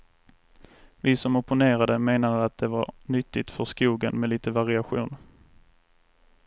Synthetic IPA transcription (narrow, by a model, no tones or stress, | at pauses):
vɪsɔmɔpʊneːɾad̪əmeːnad̪əat̪̚d̪ɛvaɾnʏt̪ːɪt̪fœskuːɡənmɛliːt̪əvaɾɪaɧṵːn